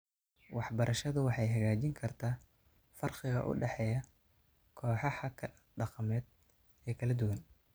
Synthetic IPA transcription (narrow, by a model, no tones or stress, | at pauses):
wɑħbɐɾʔɐʃɐðʊwɑħɑjɦɐɣaːt͡ʃɪŋkʰɐrt̪ʰaː | fɐrqɪɣɐ̰ʔʊ̰ɖɛħɛːjɐ | kʰɔːħɑhɐ | ɖɑqɑmɛːd̪ | ɛːkʰɐlɐd̪ʊwɐn